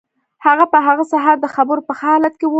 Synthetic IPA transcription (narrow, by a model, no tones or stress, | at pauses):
haɣapəɦaɣəsaɦaɾd̪əxabəɾopəxɑlat̪kew